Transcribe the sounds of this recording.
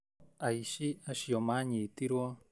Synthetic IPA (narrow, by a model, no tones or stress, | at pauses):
ajʃiaʃijomaɲit̪iɾwo